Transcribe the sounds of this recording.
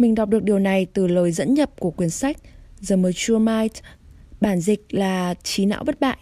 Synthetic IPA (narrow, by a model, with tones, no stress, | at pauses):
mï˨˩ŋ̟ɗɔ˨˩wk͡p̚ɗɨ˨˩ək̚ɗi˨˩əwna˨˩jt̪ɨ˨˩ləː˨˩jzə̰˧˥nɲə˨˩p̚ku˧˩əkwi˨˩ənsa˦˥jk̟̚zəː˨˩məː˨˩t͡ɕu˧əmaː˧jtɓaː˧˩nzï˨˩k̟̚laː˨˩t͡ɕi˨˦na̰ː˧˥wɓə˦˥t̚ɓa̰ː˧˨jʔ